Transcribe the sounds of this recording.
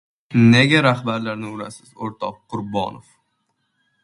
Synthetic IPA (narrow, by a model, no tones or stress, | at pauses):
neɡʲaɾahbaɾlaɾnɪʊɾa̰sɪ̥zoɾt̪ʰɒqːʊɾbɒ̰nof